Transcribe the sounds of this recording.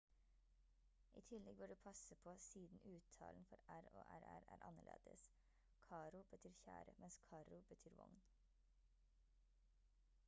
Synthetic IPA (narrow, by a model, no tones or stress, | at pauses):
ʔḭːt̪ʰɪlɛɡ̚bøːɖʉːpʰɑsəpʰoːsiːd̪n̩ʉːt̪ʰɑ̰ːln̩fɔɾæɾoːʔæɾæɾæːɾʔɑ̰nəɭʔḛːd̪̥əs | kʰɑːɾʊb̥ət̪ʰyːɾçæ̰ːɾəmʔɛnskʰɑːɾʊbət̪ʰyːɾʋɔ̰ŋn